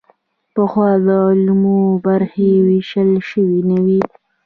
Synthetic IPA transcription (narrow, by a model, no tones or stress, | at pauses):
pəxwɑd̪əlmobaɾxewiʃəlʃəwinəwi